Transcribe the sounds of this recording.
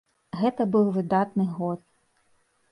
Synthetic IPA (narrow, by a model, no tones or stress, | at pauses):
ɣɛt̪ɐbɨwvɨd̪at̪nɨɣɔt̪̚